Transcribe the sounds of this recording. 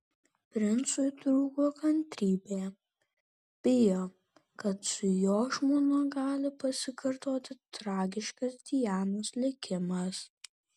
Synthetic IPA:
pʲɾʲɪnt̪sʊjt̪ɾuːɡoːkɐnʲt̪ʲɾʲiːbʲeː | b̥ʲɪjoː | kɐt̪sʊjoːʒmoːnʊɡɑːlʲɪpɐsʲɪkʰɐɾt̪oːt̪ʲɪt̪ɾɑːɡʲɪʃkɐsd̪ʲijæːnoːslʲɪkʲɪmɐs

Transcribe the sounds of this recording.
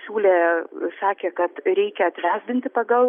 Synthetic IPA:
sʲuːlʲeːsɑːkʲeːkɐt̪ɾʲɛɪkʲɛɐt̪ʲʋʲæːzʲbʲɪnʲt̪ʲɪpɐɡɐlˠ

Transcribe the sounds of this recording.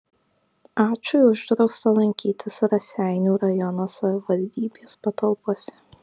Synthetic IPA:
ɑːt͡ʃʲʊʊʒd̪ɾɒʊst̪ɐlˠɐŋʲkʲiːt̪ʲɪsɾɐsʲæˑɪnʲuːɾɐjɔnoːsɐʋʲɪʋɐlʲd̪ʲiːbʲeːspɐt̪ɐlˠpuɔsʲɛ̥

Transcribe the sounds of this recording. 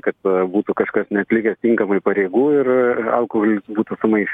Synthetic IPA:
kɐt̪buːt̪ʊkɐʃkɐsnʲɛɐt̪ʲlʲɪkʲɛst̪ʲɪŋkɐmɐɪpɐɾʲeːɡuːɪrɐ̰lˠkoholʲɪsbuːt̪ʊsʊmɐɪʃʲ

